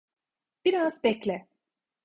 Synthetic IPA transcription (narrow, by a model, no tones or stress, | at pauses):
b̥iɾazbɛclʲɛ